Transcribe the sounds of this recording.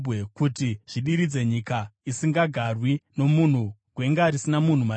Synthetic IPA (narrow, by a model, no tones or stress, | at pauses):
ekutiʐ̥iɗiɾid͡ze̞ɲikaisiŋɡaɡʱarwino̞mun̤uɡ̥we̞ŋɡaɾisinamun̤uma